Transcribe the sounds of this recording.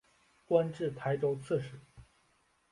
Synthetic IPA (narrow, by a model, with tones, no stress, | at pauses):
kwa˥nʈ͡ʂɻ̩˥˩t̪ʰa˧˥ɪʈ͡ʂo˥ʊt͡sʰɤ˥˩ʂɻ̩˥˩